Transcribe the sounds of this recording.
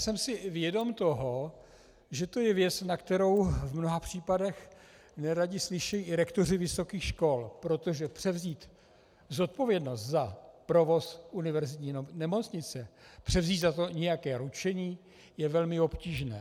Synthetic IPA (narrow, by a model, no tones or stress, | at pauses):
sɛmsɪvjɛdo̞mt̪o̞ɦo | ʒɛt̪ojɛvjɛt͡snakt̪ɛɾo̞wvmnoɦapr̝̥iːpadɛx | nɛɾaɟɪslɪʃɛjiɪɾɛkt̪o̞r̝ɪvɪso̞kiːxʃko̞lpɾo̞t̪o̞ʒɛpr̝̥ɛvziːt̪ | zo̞t̪̚po̞vjɛdno̞st̪zapɾo̞vo̞sunɪvɛɾzɪt̪ɲiːnɛmo̞t͡sɲɪt͡sɛpr̝̥ɛvziːt̪zat̪o̞ɲɛjakɛːɾut͡ʃɛɲiː | jɛvɛlmɪo̞pciːʒnɛː